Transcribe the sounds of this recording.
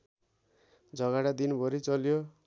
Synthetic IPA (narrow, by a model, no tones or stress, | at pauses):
d͡zʱʌɡaɽad̪inbʱʌɾit͡sʌljo